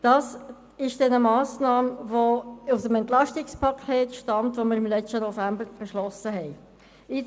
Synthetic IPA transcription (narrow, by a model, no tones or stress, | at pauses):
d̥ɑːs | ɪʃd̥ɛnəmɑːsnɑːmvoʊsəmɛntlɑʃtɪkspʰɑkʰeːtʃtɑmtʋoməɾɪmlɛt͡ʃtənofæmbəɾb̥ɛʃlɔsəɦɛɪ | ɪ